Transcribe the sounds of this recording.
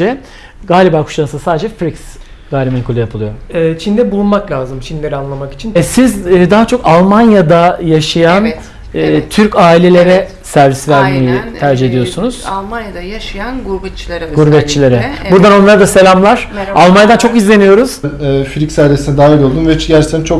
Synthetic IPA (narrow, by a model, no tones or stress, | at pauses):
ɛ | ɡaːlʲibaːkʰu̥ʃansasaːd̪ed͡ʒɛfɾiks | ɡaːlʲibmankʰulʲˠajapʰɯlˠɯjo̞ɛt͡ʃʰind̪ɛbulˠunmaklʲaːzɯmt͡ʃʰinlʲe̞ɾianlˠamaki̥t͡ʃʰinɛsizːd̪aɦat͡ʃʰo̞kalˠmanjad̪ajaʃajanː | t̪ʰyɾcaːilʲe̞lʲe̞ɾɛ | sæɾvisvæɾme̞jit̪ʰæɾd͡ʒiɦe̞d̪ijo̞ɾsunuz̥lˠanjd̪aʃjanɡɾbɛt͡ʃiɡuɾbɛt̪̚t͡ʃʰilʲe̞ɾɛbuɾd̪ano̞nlˠaɾad̪ase̞lʲamlˠaɾ̥alˠmanjad̪ant͡ʃʰo̞kizlʲe̞nijo̞ɾuz̥mːfiɾiksæɾvʲesinɛd̪aːvɛlo̞lˠd̪umvɛɟæɾt͡ʃt̪ʰːænt͡ʃʰo̞k